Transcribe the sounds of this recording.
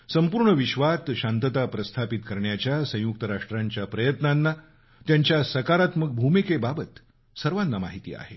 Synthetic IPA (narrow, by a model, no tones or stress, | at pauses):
səmpuɾɳəʋiɕʋat̪ɕant̪ət̪apɾəst̪ʰapit̪kəɾɳjat͡ɕjasə̃juk̚t̪əɾaʂʈɾaɲt͡ɕjapɾəjət̪nanːa | t̪jaɲt͡ɕjasəkaɾat̪mək̚bʱumikebabət̪ | səɾʋanːama̰ɦit̪ḭːa̰he